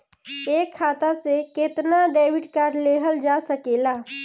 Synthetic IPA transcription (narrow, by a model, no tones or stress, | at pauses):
eːkʰːaːt̪aseket̪naɖeːwɪɖkaːɾɖleːɦəld͡ʒaːsəkeːlaː